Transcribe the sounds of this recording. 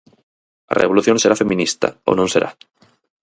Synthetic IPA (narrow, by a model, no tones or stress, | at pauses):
a̰reβ̞oluθjoŋseɾafemĩnist̪a̰o̰nõnseɾʔa̰